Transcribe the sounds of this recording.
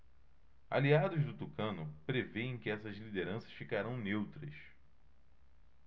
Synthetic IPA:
a̰liad̪ʊzd̪ʊt̪ukɐ̃nʊpɾeveẽj̃kɪɛsɐzlid̪eɾɐ̃sɐʃfikaɾɐ̃w̃newt̪ɾɐs

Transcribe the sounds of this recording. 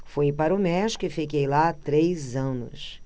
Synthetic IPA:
fojpaɾʊmɛʃi̥kʊɪfikejlat̪ɾejzɐ̃nʊ̰s

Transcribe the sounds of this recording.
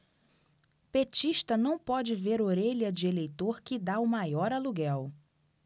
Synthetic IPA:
pet͡ʃiʃt̪ɐnɐ̃w̃pɔd͡ʒɪveɾoɾeʎɐd͡ʒɪelejt̪oɾkɪd̪aʊmajɔɾɐluɡɛw

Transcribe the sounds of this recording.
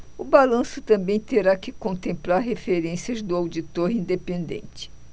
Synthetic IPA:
ʊbalɐ̃sʊt̪ɐ̃mbẽj̃t̪eɾakɪkõnt̪ẽmplaɾɦefeɾẽsiɐzd̪ʊawd͡ʒit̪oɾĩnd̪epẽnd̪ḛ̃nt͡ʃɪ̥

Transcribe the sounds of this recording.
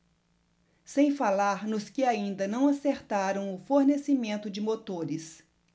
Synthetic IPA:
sẽj̃falaɾnʊskɪaĩnd̪ɐnɐ̃w̃aseɾt̪aɾɐ̃w̃ʊfoɾnesimẽnt̪ʊd͡ʒɪmot̪oɾɪs

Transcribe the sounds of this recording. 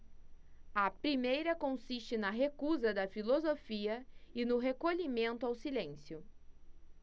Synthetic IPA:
ɐpɾimejɾɐkõsist͡ʃɪnɐɦekuzɐd̪ɐfilozofiɐɪnʊɦekoʎimẽnt̪ʊawsilẽsjʊ

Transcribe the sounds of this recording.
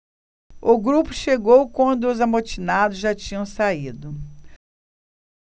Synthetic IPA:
ʊɡɾupʊʃeɡowkwɐ̃nd̪ʊːzamot͡ʃinad̪ʊzʒat͡ʃĩɲɐ̃w̃said̪ʊ

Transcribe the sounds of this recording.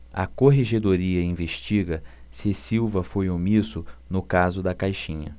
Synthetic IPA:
ɐ̰koɦeʒed̪oɾiɐĩveʃt͡ʃiɡɐ | sɪsiwvɐfojomisʊnʊkazʊd̪ɐkajʃĩɲɐ̰

